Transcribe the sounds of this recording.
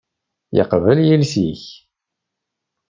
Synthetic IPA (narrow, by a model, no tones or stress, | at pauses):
jə̰qvəljilsiç